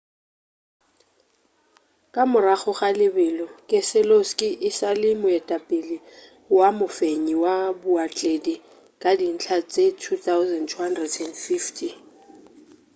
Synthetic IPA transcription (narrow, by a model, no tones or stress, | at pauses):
kʼamʊraχɔχalɪbɛlɔkʼɪsɪloskʼɪʔɪsalɪmʊɛtʼapʼɪlɪ | wamʊfeɲiwabʊat͡ɬʼedi | kʼadin̩t͡ɬʰat͡sʼetʰuθaʊzɛntʰuhandrɛdɛndfiftʰi